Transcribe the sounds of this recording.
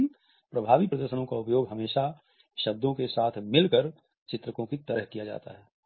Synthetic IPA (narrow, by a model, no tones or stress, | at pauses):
n | pɾɐbʱaːʋipɾɐd̪əɾʃənõkaʊpjoːɡɦɐmeːʃa | ʃɐb̚d̪ʱõkesaːt̪ʰmɪlkəɾ | t͡ʃɪt̪ɾəkõkit̪ɐɾəɦkijad͡ʒa̰ːt̪a̰ɦɛː